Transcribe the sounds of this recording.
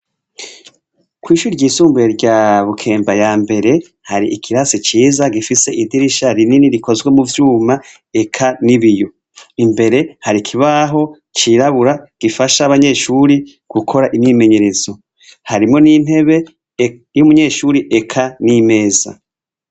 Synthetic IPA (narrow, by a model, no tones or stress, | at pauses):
kwiːʃuːɾiɾɟiːsuːmbueɾɟaβukʰe̞ːmbajaːmbe̞ɾe̞ | haɾiikʰiɾasit͡ʃiːzaɡifise̞ʔidiɾiʃaɾininiɾiko̞zɡwemuvjuːma | e̞kʰaniβijo̞ | imbe̞ɾe̞haɾikʰiβaɦo̞ | t͡ʃiɾaβuɾaɡ̥ifaʃaβaɲe̞ʃuɾi | ɡ̥ukʰo̞ɾaʔimime̞ɲe̞ɾe̞zo̞ | haɾimŋo̞niːn̥he̞βe̞ | jumuɲe̞ʃuɾiʔe̞kʰanime̞ːza̰